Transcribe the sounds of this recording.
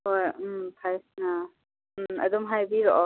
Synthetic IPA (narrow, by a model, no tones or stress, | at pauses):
ɔj̩pʰajsna | a̰dɔmɦajbiɾɔʔɔ